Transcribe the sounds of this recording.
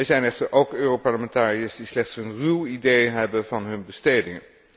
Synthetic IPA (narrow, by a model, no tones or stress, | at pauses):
ɛzɛjnɛχtəɹʔowkøːropɑɹləmɛntaːriəsdislɛχtsənrywidejɦɛbənvɑnɦɵnbəstejdɪŋən